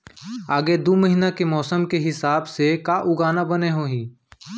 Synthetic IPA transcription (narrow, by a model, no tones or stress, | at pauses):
aːɡed̪oːməɦinakemɔːsəmkeɦɪsaːbsekaʔʊɡaːnabəneɦoːɦĩː